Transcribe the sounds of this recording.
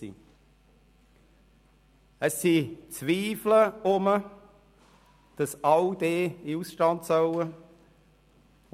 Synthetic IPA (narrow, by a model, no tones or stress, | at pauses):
ḭ | əsːit͡sviːfləʊmə | d̥ɑsɑwdeːɪusʃtɑndsœwə